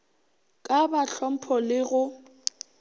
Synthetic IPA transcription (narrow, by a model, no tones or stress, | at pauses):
kʼabaɬɔm̩pʰɔlɪɣʊ